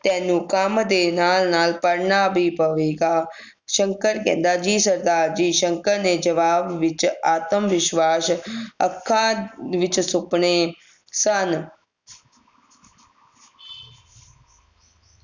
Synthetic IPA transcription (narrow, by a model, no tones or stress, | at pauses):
t̪ɛːnũːkəmd̪eːnaːlnaːlpəɾɳaːbiːpəʋeːɡaː | ʃəŋkəɾkɛ̰̃ːnd̪aːd͡ʒiːsəɾd̪aːɾd͡ʒiːʃəŋkəɾneːd͡ʒəʋaːbʋɪt͡ʃaːt̪əmʋɪʃʋaːsəkʰːãːʋɪt͡ʃsʊpɳeː | sən